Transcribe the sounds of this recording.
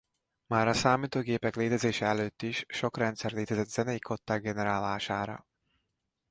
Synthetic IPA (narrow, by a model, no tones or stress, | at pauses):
maːɾɒsaːmiːt̪oːɡeːpɛkleːt̪ɛzeːʃɛɛløːt̪ːiʃːo̞krɛnt̪sɛrleːt̪ɛzɛt̪z̥ɛnɛjikʰo̞t̪ːaːɡ̚ɡɛnɛɾaːlaːʃaːɾɒ̰